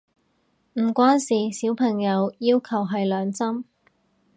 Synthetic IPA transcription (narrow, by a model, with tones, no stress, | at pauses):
m̩ː˨˩kʷaː˥nsiː˨˩siː˨˥wpʰɐ˨˩ŋjɐ˨˧wjiː˥wkʰɐ˨˩wɦɐ˨jlœː˨˧ŋt͡sɐ˥m